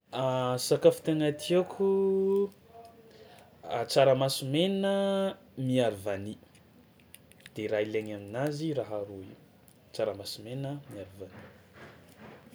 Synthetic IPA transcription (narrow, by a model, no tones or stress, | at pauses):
asakafu̥t̪enat̪ʰiakʰʲu | at͡saɾəmasimenə | miaɾuvani | d̪̥eɾaileɲaminaziɾaɦaɾuḭu | t͡saɾəmasimenəmiaɾivani